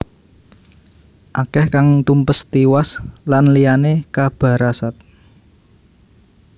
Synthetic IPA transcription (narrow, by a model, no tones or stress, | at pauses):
ʔakɛhkaŋt̪umpəst̪iwaslanlijanekab̥ä̤ɾasat̪̚